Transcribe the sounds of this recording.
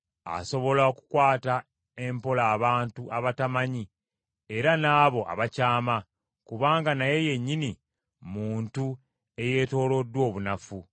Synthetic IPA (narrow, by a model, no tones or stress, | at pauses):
a̰so̞βo̞laoku̥kwaːta | e̞mpo̞laːβaːntuʔaβatamaɲi | e̞ɾanaːβo̞ʔa̰βacaːma | kuβaːŋɡanaje̞je̞ɲːini | muːntu | e̞je̞ːto̞ːlo̞dːwo̞ːβunafu